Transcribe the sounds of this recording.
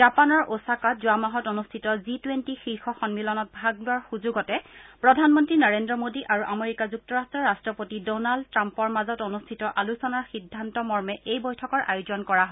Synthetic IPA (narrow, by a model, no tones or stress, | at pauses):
zapanɔɹʔosakazuamaɦɔtonustʰitɔzitwentixixɔxɔnmilɔnɔt̚bʱaɡ̚laɹxuzuɡɔtɛpɹɔdʱanmɔntɹinaɹendɹɔmodiʔaɹuʔameɹikazuk̚tɔɹastɹɔɹastɹɔpotidɔnaldtːɹampɔɹmazɔtonustʰitɔʔalusɔnaɹxidʱːantɔmɔɹmɛʔejbɔjtʰɔkɔɹʔa̰juzɔnkɔɹaɦ